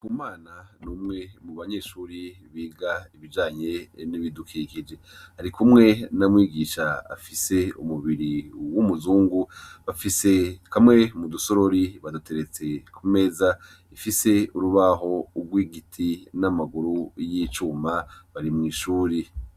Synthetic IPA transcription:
kumaːnanumŋe̞muβaɲe̞ːʃuːɾi | βiːɡaiβid͡ʒaːɲe̞niβidukʰikid͡ʒe̞haɾikumŋe̞namwiːɡiːʃaa̰fise̞ṵmuβiɾiwumuzuːŋɡuβafisekʰamŋe̞muduso̞ɾo̞ɾiβadutʰe̞ɾe̞t͡se̞kʰume̞ːza | ifise̞uɾuβaɦo̞ːɡwiːɡitʰinamaɡuɾujiːt͡ʃuːmaβaɾimŋiːʃuːɾi

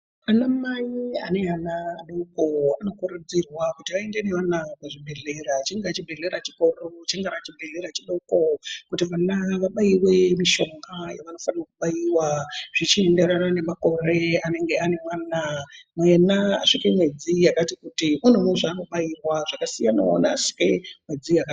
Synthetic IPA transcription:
anamaia̰ne̞anaːɗokoano̞kuɾud͡zirwakutiae̞ndene̞ʋanakeʐibʱe̞ɮe̞ɾat͡ʃiŋɡat͡ʃibʱe̞ɮe̞ɾat͡ʃi̥ko̞rot͡ʃeŋɡaɾat͡ʃibʱeɮe̞ɾat͡ʃiɗo̞kokutiʋanaʋaɓajiwe̞miʃo̞ŋɡaja̰ʋano̞fanirakuɓajiwaʐ̥it͡ʃie̞nde̞ɾanane̞mako̞re̞ane̞ŋɡe̞ane̞mwaːnamuenaa̰ʂikemwe̞d͡zijakatikutimun̤umuʐaːno̞ɓairwaʐakasijanao̰naːʂi̥ke̞mwe̞d͡zijaka

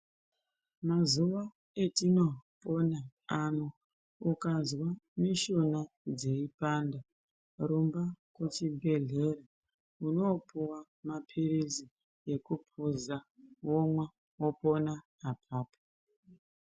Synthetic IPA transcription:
mazuʋa | etino̞po̞naano | ukazwamiʃona | d͡ze̞ipanda | ɾumbakut͡ʃibʱe̞ɮe̞ɾa | uno̞puwa | mapʰiɾizi | je̞kupʰuzawomwa | wopo̞naː | pʰaːpo̥

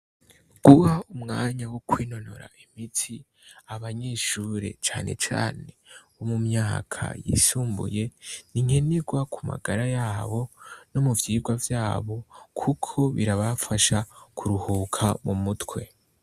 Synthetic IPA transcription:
ɡ̥uhaumŋaːɲawokwiːno̞noɾa̰imitʰi | aβaɲe̞ːʃuɾe̞̰t͡ʃaːnʔe̞̰t͡ʃa̰ːne̞βomumɲaːkʰa̰jḭsuːmbṵje̞niŋe̞neɡwakʰuma̰ɡaɾajaːβo̞nomuvjiːɡwavjaːβo̞kʰukʰo̞βiɾaβafaʃakuɾuhuːkʰamumutwe̞

